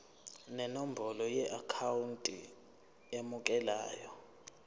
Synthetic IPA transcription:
nɛnom̩bʱɔlɔjɛʔakʰawuntʼḭ | emukʼɛla̰ːjɔ

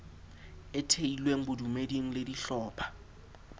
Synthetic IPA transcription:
ɪtʰeilweŋ̩bʊdumediŋ̩lediɬɔːpʰḁ

